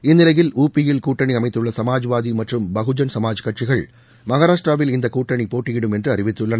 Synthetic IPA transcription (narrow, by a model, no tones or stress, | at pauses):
ɪnːɪlɐjɪluːpːijɪlkuːʈːɐɳiɐmɐɪt̪ːɯɭːɐsɐmaːd͡ʒʋaːðimɐʈrɯmbɐɣɯd͡ʒɐnsɐmaːd͡ʒkːɐʈ̚t͡ʃɪɣɐɭ | mɐɣaːɾaːʂʈraːʋɪlɪnd̪ɐkuːʈːɐɳipoːʈːijɪɽɯmɛndrɯɐrɪʋɪt̪ːɯɭːɐnɐ